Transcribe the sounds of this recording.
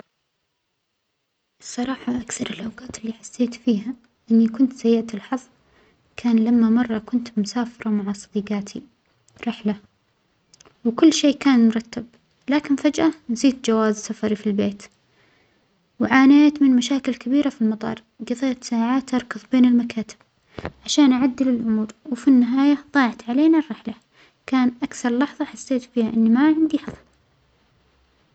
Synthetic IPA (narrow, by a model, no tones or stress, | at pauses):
ʔsˤːɑɾˤɑːħɑʔakθɑɾˤɪlʔawɡaːt̪ɪlːiːħḁsːeːt̪fiːɦa | ʔɪnːikʊnt̪sajɪʕt̪ɪlħɑðˤ | kʰaːnlamːamɑrˤːɑkʊnt̪mʊsaːfɑɾˤɑmaʕasˤɑd̪iːɡaːt̪ʰi | ɾɪħla | wkʊlːʃeːkaːnmʊɾˤɑt̪ːab | laːkɪnfad͡ʒʔanziːt̪̚d͡ʒawaːzsafɑɾifilbeːt̪ | wʕaːneːt̪mɪnmaʃaːkɪlkabiːɾafilmɑt̪ˤɑ̰ːɾˤ | ɡɑðˤeːt̪saːʕaːt̪ʔɑɾˤkɑðˤbeːnɪlmakaːt̪ɪ̥b̥̚ | ʕaʃaːnʔaʕad̪ːɪlɪlʕʊmuːɾwɪfinːɪɦaːjaðˤɑːʕt̪ʕaleːnarːɪħla | kaːnʔakθɑɾˤlɑħðˤɑħasːeːt̪fiːhaʔɪnːimaʕɪnd̪iħɑðˤl